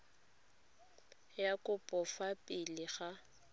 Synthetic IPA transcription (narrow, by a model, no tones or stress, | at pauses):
jakʼʊpʼɔfapʼɪlɪχa